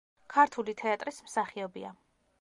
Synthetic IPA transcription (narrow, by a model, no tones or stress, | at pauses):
kʰaɾt̪ʰulit̪ʰɛat̪ʼɾismsaχiɔbḭa̰